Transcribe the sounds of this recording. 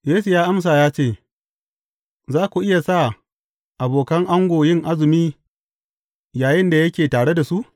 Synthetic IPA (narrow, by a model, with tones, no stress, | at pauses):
jeː˦su˨jaː˦ʔa˦ms̬aː˨jaː˦t͡ʃeː˦˨ | zaː˦kʷu˨ʔɪ˦ja˨sa˦˨ | ʔa˨boː˨kɐ˦ŋʔa˦ŋɡʷoː˨jɪ˦ŋʔa˦zɪ˨miː˦ | jaː˨jɪ˦nda˨jɐ˦kʲeː˨taː˨ɽe˦da˨su˦ʔ